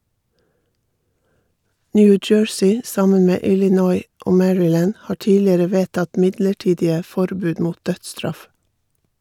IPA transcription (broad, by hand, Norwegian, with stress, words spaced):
ˈnjʉː ˈd͡ʒøːɹsiː ˈsɑmən ˈmeː ˌʔɪlɪˈnɔʏ ˈʔoː ˈmæɹɪˌlæːn ˈhɑː ˈʈiːlɪəɾə ˈʋeːtɑt ˈmɪdləˌʈiːdɪə ˈfɔɾbʉːd ˈmuːt ˈdœtˌstɾɑf